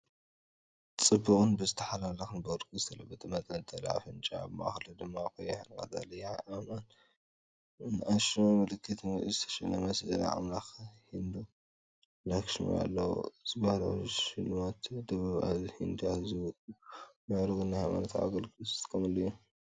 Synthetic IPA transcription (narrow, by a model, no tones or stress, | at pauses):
t͡sʼɨbːɨkʼɨnbɨzɨt̪ʰɐħalalɐxɨnbɨɾkʼizɨt̪ʰɐlɐbːɐt̪ʰɐmɐt̪ʼɐt̪ʼːɐla̰fɨnt͡ʃʼa̰βma̰xlɨd̪ɨmːakojɛħankʼa̰za̰lɐjʔaman | naʃmomɨlɨkːɨt̪zɨt̪ʰɐ̥ʃɛnɐmɐsʕa̰mlaxhind̪u | lakʃm̰ja̰lːɐwṵz̥ɨbahɾʃilmat̪d̪ɐβaβa̰zhind̪uazɨ | mɨʕɾɨɡɨnːahajma̰nɐt̪ʰʕa̰ɡɐlkʰɨst̪kʰɐmɨlːuju